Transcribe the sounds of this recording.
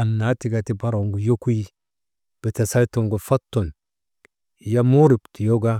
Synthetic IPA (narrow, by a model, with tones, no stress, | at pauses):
a˨nːa˨˦ti˨ɡa˨ti˦ba˦ɾo˨ŋɡu˨jo˦ku˦i˦ | b̥e˨ta˨sa˦to˨ŋɡo˨fa˦tːo˨n | ja˦mo˦ɾi˨pti˨jo˦ɡa˦